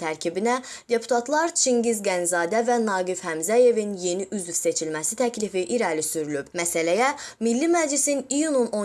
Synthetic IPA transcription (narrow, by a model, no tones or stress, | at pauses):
t̪ʰæɾcʰibinæd̪e̞pʰu̥t̪ʰɑt̪ʰlˠɑɾt͡ʃʰiŋɟizɡænzɑːd̪ævænɑːɡifhæmzæje̞vinje̞niʔyzvse̞t͡ʃʰilmæsit̪ʰæcʰlifiʔiɾælisyɾylyb̥mæsælæjæmilːimæd͡ʒlisinijununo̞